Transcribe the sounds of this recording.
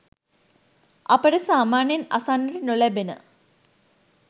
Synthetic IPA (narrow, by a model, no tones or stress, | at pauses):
ʔɐpəɖəsaːmaːnjɐnasanːəʈənolæbenə̰